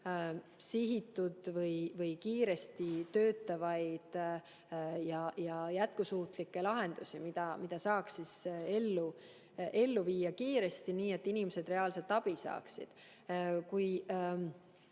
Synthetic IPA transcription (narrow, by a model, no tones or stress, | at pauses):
siɦit̪ːˑud̪̥vɤjvɤjkiːɾe̞st̪it̪ø̞ːt̪ːˑɑvɑjd̪̥ | jɑjɑjæt̪̚kusuːt̪likːe̞lɑɦe̞nd̪̥usimid̪̥ɑmid̪̥ɑsɑːksise̞lːu | ʔe̞lːuviːjːɑkiːɾe̞st̪iniːe̞t̪ːinimese̞d̪̥re̞ɑːlse̞lt̪ːˑɑb̥isɑ̰ːksḭd̪̥ | kuj